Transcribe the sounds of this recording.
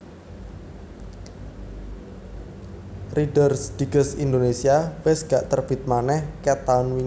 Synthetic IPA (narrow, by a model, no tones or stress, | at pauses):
riɖərsd̪̥i̤ɡ̥əsind̪onesiawɪsɡ̥aʔt̪ərb̥i̤t̪̚manɛhkɛt̪anwi